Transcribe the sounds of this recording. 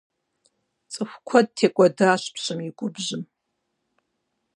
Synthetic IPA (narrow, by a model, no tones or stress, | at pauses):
t͡sʼɨxʷkʷʰad̚tʰekʷʼadaːʃʷpʰɕʷɨmiɡʷʼʊbʒɨm